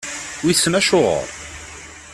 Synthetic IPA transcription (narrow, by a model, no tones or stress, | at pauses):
wisːənæʃʊʁə̰ɾˤ